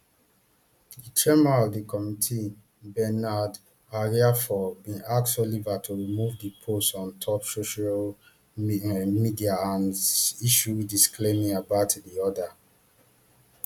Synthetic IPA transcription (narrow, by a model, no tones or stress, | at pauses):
ditʰɹɛmaɔvdikɔmitʰi | bɛnad | aɹiafɔbĩnakt͡ʃɔlivatʰuɹimuvdipʰostɔ̃ntʰɔpsoʃal | midiaãniʃudiskʰlemĩŋabatdiɔda